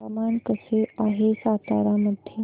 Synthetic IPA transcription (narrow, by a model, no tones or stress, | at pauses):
ɐmaːnkəseaːɦesaːt̪a̰ːɾaməd̪ʱje